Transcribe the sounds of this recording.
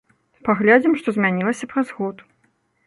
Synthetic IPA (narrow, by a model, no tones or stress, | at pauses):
paɣlʲad͡zʲimʂt̪ɔzʲmʲanʲilˠɐsʲɐpɾɐzɣɔt̪